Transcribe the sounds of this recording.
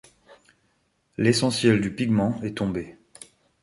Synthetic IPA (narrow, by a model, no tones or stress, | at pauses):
lesɑ̃sjɛld̪ypiɡmɑ̃ɛt̪ɔ̃be